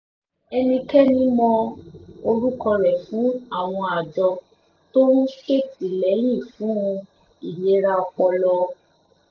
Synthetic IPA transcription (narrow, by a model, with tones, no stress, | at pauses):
ɛ˧nĩ˧kɛ˦nĩ˦mɔ̃˧o˧ɾu˦kɔ˧ɾɛ˨fũ˨˦a˦˨w̃ɔ̃˧a˨d͡ʒɔ˧ | to˦ɾũ˦ʃe˦˨ti˨lɛ˨˦j̃ĩ˦˨fũ˨˦ũ˧ | i˨je˨˦ɾa˧ɔ˧k͡pɔ˧lɔ˧